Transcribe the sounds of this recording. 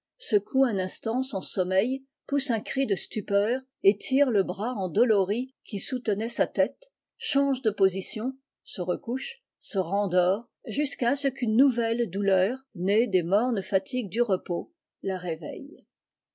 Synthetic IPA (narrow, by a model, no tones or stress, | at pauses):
səkʰuɛ̃nɛ̃st̪ɑ̃sɑ̃sɔmɛj | pusɛ̃kχid̪əst̪ypœːʁ | et̪ʰiːʁləbʁaɑ̃d̪ɔlɔʁikʲisut̪ənɛsat̪ɛt̪ | ʃɑ̃ʒd̪əpozisjɔ̃ | səʁəkuʃ | səʁɑ̃d̪ɔːʁ | ʒyskasəkynːuvɛld̪ulœːʁned̪emɔʁnfat̪ʰiɡ̚d̪yʁəpo | laʁevɛ̰j